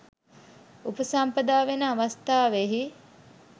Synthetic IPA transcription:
upəsampəd̪aːʋenəaʋast̪aːʋeɦi

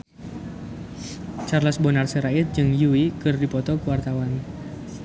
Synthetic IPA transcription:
t͡ʃarlasbɔnarsəɾaɪt̪̚d͡ʒɨŋjuwikɨrdipɔt̪ɔkuwart̪awan

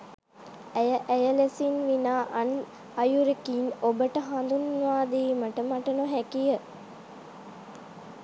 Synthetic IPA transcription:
æjəʔæjəlesinʋinaːʔan | ajuɾekiːnobəʈəɦand̪unʋaːd̪iːməʈəmaʈənuɦækijə

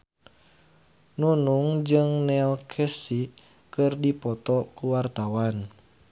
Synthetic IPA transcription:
nunuŋd͡ʒɨŋnɛlkʰɛsi | kɨrdipɔt̪ɔkuwart̪awan

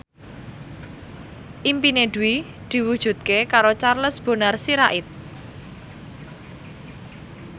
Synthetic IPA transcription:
ʔimpined̪̥uwi | d̪̥i̤wud̥ʒ̥ṳt̪̚kekaɾot͡ʃarləsb̥o̤narsiɾaʔɪt̪̚

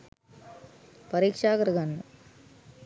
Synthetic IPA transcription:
pɐɾiːkʂaːkɐɾɡɐnːu

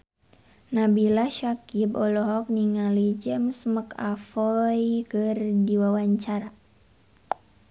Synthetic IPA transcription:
nabilaʃakibɔlɔɦɔk̚niŋalid͡ʒɛmsməka̰fɔjkɨrdiwawaɲt͡ʃaɾa

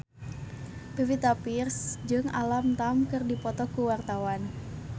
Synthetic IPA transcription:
pivit̪apirsd͡ʒɨŋa̰lamt̪amkɨrdipɔt̪ɔkuwart̪awan

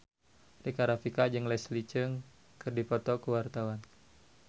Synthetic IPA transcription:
rikaɾafikad͡ʒɨŋlɛslit͡ʃəŋ | kɨrdipɔt̪ɔkəwart̪awan

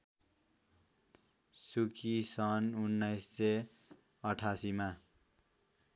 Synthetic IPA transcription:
sukʰisʌnunːʌjsse | ʌʈʰasima

